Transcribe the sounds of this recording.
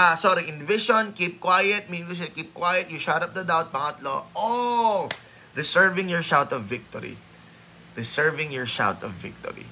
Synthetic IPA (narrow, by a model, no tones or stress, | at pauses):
ʔasɔɾiʔɪ̃nd̪vɪʃɔnkiːp̚kwajɛt̪̚minŋɡʊs̬ɛkiːp̚kwajɐt̪̚jʊʃaɾɐp̚d̪ɐd̪awt̪̚pɐŋɐt̪lo̰ʔo | ɹɪsɛɹvɪ̃ŋjɔɹʃawt̪ɔvːɪk̚t̪ɔɾḭ | ɾɪsɛɹvɪ̃ŋjɔɹʃa̰wt̪ɔvːɪ̰k̚t̪ɔ̰ɹḭ